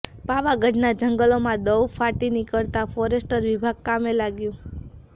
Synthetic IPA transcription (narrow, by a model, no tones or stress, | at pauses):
paʋaɡəɖnad͡ʒəŋɡəlomãd̪əwfʰaʈinikəɽt̪afɔɾesʈəɾʋibʱaɡ̚kamelaɡjũ